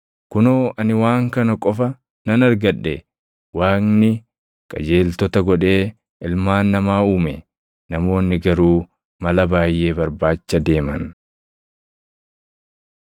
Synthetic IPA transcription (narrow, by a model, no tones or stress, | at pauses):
kʊnoːʔɐnɪwaːŋkɐnɐkʼɔfɐ | nɐnɐɾɡɐᶑːɛ | waːnnɪ | kʼɐ̰d͡ʒe̞ːlt̪ɔt̪ɐɡɔᶑe̞ː | ɪlmaːnːɐmaːuːmɛ̰ | nɐmo̞ːnːɪɡɐɾuː | mɐlɐbaːjʔːe̞ːbɐɾbaːt͡ʃːɐd̪e̞ːmɐ̰n